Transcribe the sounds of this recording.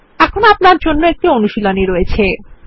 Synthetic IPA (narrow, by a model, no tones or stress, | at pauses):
ɛkʰonoapnaɾd͡ʑonːoɛk̚ʈionuʃiloniɾojet͡ɕʰe